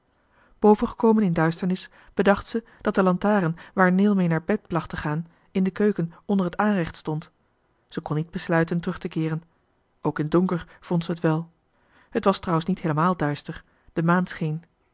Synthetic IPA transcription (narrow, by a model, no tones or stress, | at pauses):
b̥owvənχə̥kowmənɪndœɥstəɹnɪs | b̥ədɑχtsə | d̥ɑt̚d̥əlɑntaːrənʋaːɹnɪːlˠmejnaːɹbɛt̚plɑχtəχaːn | ɪndəkøɥkənɔndərɦətaːnrɛχtstɔnt | z̥əkɔnːid̚bəslœɥtəntərɵχtəkɪːrən | owkɪndɔŋkəɹv̥ɔntsəɦətʋɛlˠ | hətʋɑstrɑwənsnitɦeːləmaːlˠdœɥstəɹ | d̥əmaːnsχejn